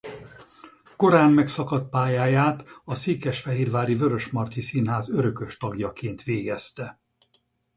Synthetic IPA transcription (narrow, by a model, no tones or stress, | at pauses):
ko̞ɾaːnmɛksɒkɒt̪̚paːjaːjaːt̪ɒseːkɛʃfɛɦeːrvaːɾivø̞ɾø̞ʃmɒrt̪isinɦaːzø̞ɾø̞kø̞ʃt̪ɒɡjɒkeːnt̪ʋeːɡɛst̪ɛ